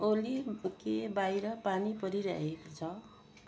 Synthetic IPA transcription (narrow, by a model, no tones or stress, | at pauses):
olikebajɾʌpanipʌɾiɾʌ̰ɦekot͡sʰʌ